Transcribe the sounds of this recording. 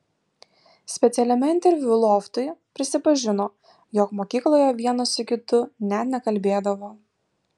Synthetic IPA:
sʲpʲɛt̪sʲɛlʲɛmʲɛɪnʲt̪ʲɛɾʲʋʲʊlˠɔːft̪ʊɪpʲɾʲɪsʲɪpɐʒʲɪnoː | jɔkmoːkʲiːklˠoːjɛʋʲiɛnosʊkʲɪt̪ʊnʲɛt̪nʲɛkɐlʲbʲeːd̪ɐʋoː

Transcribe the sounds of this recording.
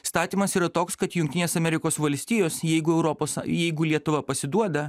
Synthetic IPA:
st̪ɑːt̪ʲiːmɐsiːɾɐt̪oːkskɐt̪jʊŋʲkt̪ʲɪnʲeːsɐmʲɛɾʲɪkoːsʋɐlʲsʲt̪ʲiːjoːsjɛɪɡʊɛʊɾɔpoːsjɛɪɡʊlʲiɛt̪ʊʋɐpɐsʲɪd̪uɔd̪ɐ

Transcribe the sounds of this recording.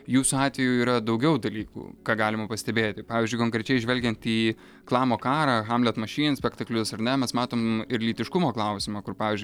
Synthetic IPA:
juːsʊɑːt̪ʲʋʲɛjuiːɾɐd̪ɐʊɡʲɛʊd̪ɐlʲiːkṵːkɑːɡɑːlʲɪmɐpɐsʲt̪ʲɛbʲeːt̪ʲɪpɑːʋʲɪzʲd͡ʒʲʊɪkoːŋkɾʲɛt͡ʃʲɛɪʒʲʋʲɛlʲɡʲɛnt̪iː | klˠɑːmoːkɑːɾɑːxɑmlʲɛt̪mɐʃʲiːnsʲpʲɛkt̪ɐklʲʊsɐɾnʲɛmʲɛsmɑːt̪oːmɪɾlʲiːt̪ʲɪʃkʊmoːklˠɐʊsʲɪmɐkʊrpɑːʋʲɪzʲd͡ʒʲʊɪ

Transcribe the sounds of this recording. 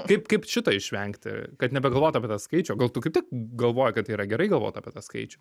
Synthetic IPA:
kɐɪpkɐɪpʃʲɪt̪ɐɪʃʲʋʲɛŋkt̪ʲɪ̰kɐt̪nʲɛbʲɛɡɐlˠʋoːt̪ʊɐpʲɛt̪ɐskɐɪt͡ʃʲɛɡɐlˠt̪ʊkɐɪpt̪ʲɪk̚ɡɐlˠʋoːjɛkɐt̪iːɾɐɡʲɛɾɐɪɡɐlˠʋo̰ːt̪ɐ̰ːpʲiɛt̪ɐskɐ̰ɪt͡ʃʲu

